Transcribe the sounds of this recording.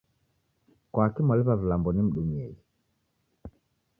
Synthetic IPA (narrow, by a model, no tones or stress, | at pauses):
kwakimaliβavilambɔnim̩ɗumiɛi